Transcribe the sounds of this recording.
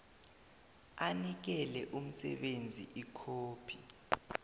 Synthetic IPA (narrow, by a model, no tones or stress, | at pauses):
anik̬ɛlɛʔum̩sɛ̰ɓend͡zʱiʔikʰoːpʰi